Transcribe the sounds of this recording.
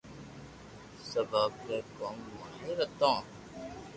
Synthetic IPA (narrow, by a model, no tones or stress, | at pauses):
səbaːb̚keːkoːmːãːɦẽːɾət̪ãː